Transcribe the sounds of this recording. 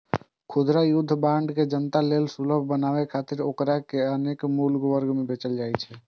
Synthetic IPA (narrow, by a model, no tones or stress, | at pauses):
kʰud̪ɾajud̪ʱːbãɳɖked͡ʒənt̪alelsuləbʱbənaβɛkʰat̪iɾokɾakeənekmulɡwəɾɡmebet͡ʃəld͡ʒajt͡ʃʰɛ